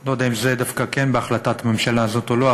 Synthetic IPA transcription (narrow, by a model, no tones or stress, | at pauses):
lod̪eimzed̪afkakenbeaχlat̪at̪ame̞mʃalazot̪oloa